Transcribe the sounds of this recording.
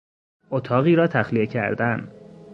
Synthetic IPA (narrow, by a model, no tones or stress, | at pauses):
ʔot̪ʰɒːɣiːɾɒːt̪ʰæxlijecʰæ̰ɾd̪æn